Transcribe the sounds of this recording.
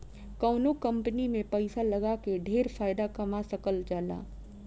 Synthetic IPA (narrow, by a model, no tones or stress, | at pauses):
kaːnokɐ̃mpənimẽpɛɪsalɐɡakeɖʱeːɾfʰaːɪd̪akɐmasɐkəld͡ʒaːla̰ː